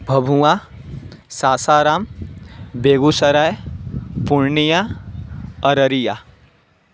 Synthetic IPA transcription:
bʱɐbʱuwa | saːsaːɾaːm | beːɡusɐɾajpuɾnija | ɐɾəɾija

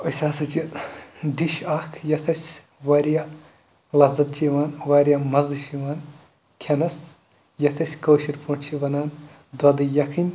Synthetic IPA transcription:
ɐsʲaːsɐt͡ʃid̪iʃaːkʰjɐt̪ʰɐsʲ | ʋɐɾijaː | lɐzɐt̪̚t͡ʃʰiʋaːnʋaːɾʲjaːmɐzɨʃiʋaːn | kʲʰɐnɐs | jɐt̪ʰɐsʲkoːʃiɾpont͡ʃʰiʋɐnaːn | d̪wɐd̪ɨjɐkʰinʲ

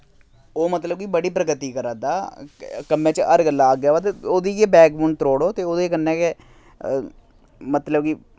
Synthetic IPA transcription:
oːmət̪ləb̚kibəɽiːpɾəɡət̪iːkəɾə̃ːd̪aːkəmẽːt͡ʃəəɾɡəlaːɡjaːʋaːt̪eːoːd̪iːkeːbɛːkbuɳɖ̚t̪ɾoːɽoːt̪eːoːd̪eːkənːɛːke | mət̪ləbki

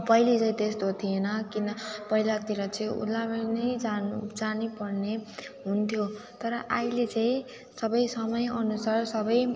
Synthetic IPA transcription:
pʌilet͡sʌ̃ĩt̪est̪ot̪ʰijenʌkinʌpʌilat̪iɾʌt͡sʌĩṵlabnʌjd͡zanud͡zanipʌrneɦunt̪ʰjot̪ʌɾʌʔailet͡sʌ̃ĩ | sʌbʌjsʌmʌjʌnusarsʌbʌj

